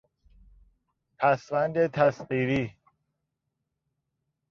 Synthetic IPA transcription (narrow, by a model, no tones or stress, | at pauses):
pʰæsvænd̪et̪ʰæsɢiːɾiː